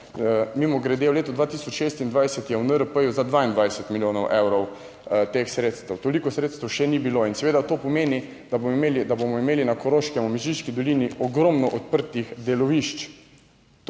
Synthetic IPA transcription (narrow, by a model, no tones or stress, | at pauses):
mimɔɡɾɛd̪ewleːt̪ɔd̪ʋaːt̪isɔt͡ʃʃeːst̪ind̪ʋajsɛt̪jɛwnəɾəpəjuzad̪ʋaind̪ʋajsɛt̪miljoːnɔwʔɛwɾɔw | t̪exsɾeːt̪st̪əwt̪olikɔsɾeːt̪st̪əwʃɛnibiloinsɛʋeːd̪at̪oːpɔmeːni | d̪abomeːlid̪abomɔimeːlinakɔɾoːʃkɛmɔmiʒiʃkid̪ɔliːniʔɔɡɾɔmnɔʔɔt̪̚pəɾt̪ixd̪ɛlɔʋiʃt͡ʃ